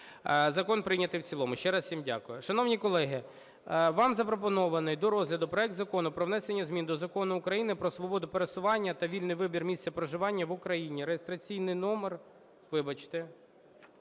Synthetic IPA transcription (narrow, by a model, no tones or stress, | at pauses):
zɐkɔnpɾɪnʲɐt̪ɪjwt͡sʲilˠɔmʊʃt͡ʃɛɾɐssʲimdʲa̰kʊjʊʃɐnɔʋnʲikɔlˠɛɦɪ | ʋɑmzɐpɾɔp̬ɔnɔʋɐnɪjd̪ɔɾɔzɦlʲɐd̪ʊpɾɔɛk̚d̪zɐkɔnʊpɾɔʋnɛsenʲːɐzʲmʲind̪ɔzɐkɔnʊːkɾɐjinɪpɾɔsʋɔbɔd̪ʊpeɾesʊʋɑnʲːɐt̪ɐʋʲilʲnɪjʋɪbʲirmʲist̪ʲɛpɾɔʒɪʋɑnʲːɐʋʊkɾɐjinʲiɾejest̪ɾɐt͡sʲijnɪjnɔmer | ʋɪbɐt͡ʃt̪ɪ